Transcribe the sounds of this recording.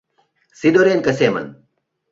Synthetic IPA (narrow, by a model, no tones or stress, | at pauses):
sid̪oɾeːnkɐseːmɐ̰n